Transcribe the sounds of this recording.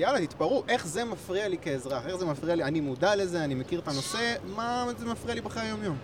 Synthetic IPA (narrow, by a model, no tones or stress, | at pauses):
jalat̪it̪paʁuʔe̞χze̞mafʁialikeezʁaχe̞χze̞mafʁialianimudale̞ze̞animekiʁet̪ano̞se̞mazemafʁialibeχajajo̞mjo̞m